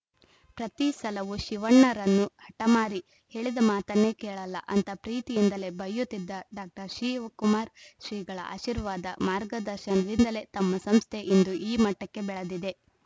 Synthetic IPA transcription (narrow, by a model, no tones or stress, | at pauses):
pɾɐt̪isɐlɐʋuʃiʋɐɳːɐɾɐnːuhɐʈɐmaːɾi | heːɭid̪ɐmaːt̪ɐnːe̞kɛːɭɐlːɐ̰ʔɐnt̪ɐpɾiːt̪ijind̪ɐle̞bɐjːut̪ːid̪ːɐɖaːk̚ʈɐɾʃiːʋɐkumaːɾʃɾiːɡɐɭɐ̰ʔa̰ːʃiɾʋaːd̪ɐmaːɾɡɐd̪ɐɾʃɐnɐɾind̪ɐle̞t̪ɐmːɐsɐmst̪ʰe̞ʔind̪uʔiːmɐʈːɐkːe̞bɛɭɐd̪id̪e̞